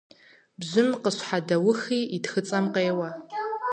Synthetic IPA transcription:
bzɪmqəɕħadɐwʊxiːitxɨt͡sʼɐmqeːwɐ

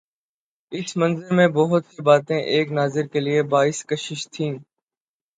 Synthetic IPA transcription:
ɪsmə̃nzəɾmẽbɔɦʊt̪sibaːt̪ẽʔeːknaːzɪɾkelɪebaːɪskəʃɪʃt̪ʰĩː

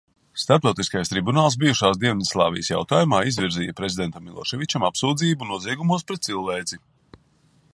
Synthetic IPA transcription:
st̪aɾp̚t̪awt̪iskajst̪ɾibunaːlˠs̬bijuʃaːsd̪iɛnɛslˠɑ̰ːvḭjəsja̰wt̪aːjumaːizvʲiɾziːjɐpɾe̞zʲid̪ɛnt̪amːilˠɔ̰ʃɛvʲit͡ʃamapsuːd̪ziːbunuɔziɛɡumuɔspɾɛt̪̚silˠvɛːd̪zi

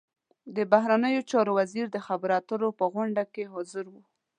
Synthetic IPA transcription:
d̪əbaɦɾanəjot͡ʃɑɾowaziɾd̪əxabaɾɑt̪əɾopəɣʊɳɖakeɦɑzəɾwu

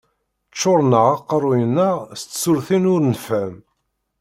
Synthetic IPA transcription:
t͡ʃːoɾˤnəʁɑqːɑɾˤʊjənːəʁst̪ːsʊɾθinʊɾnfæm

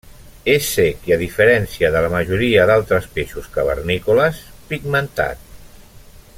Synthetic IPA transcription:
esekiəðifəɾɛnsiəðələməʒuɾiəðalˠt̪ɾəspeʃuskəβə̰ɾnikuləspiɡmənt̪a̰t̪̚

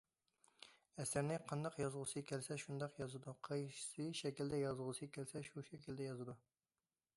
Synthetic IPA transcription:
ɛsɪɾnɪqʰɑnd̪ɑqjɑzʁʊsɨkʲʰɛlsɛʃund̪ɑqjɑzɨd̪uqʰɑjʃsɨʃɛkʲild̪ɛjɑzʁʊsɨkʲʰɛlsɛʃuʃɛkʲʰild̪ɛjɑzɨd̪u

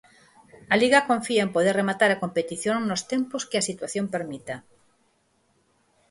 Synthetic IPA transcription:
ɐliɣɐkõɱfiaempoð̞eremat̪aɾakompet̪iθjoŋnost̪emposkɪasit̪waθjompeɾmit̪a

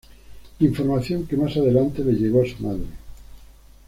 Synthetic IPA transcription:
iɱfo̞ɾmaθjoŋkemasaðelant̪eleʝeɣ̞oasumaðɾe

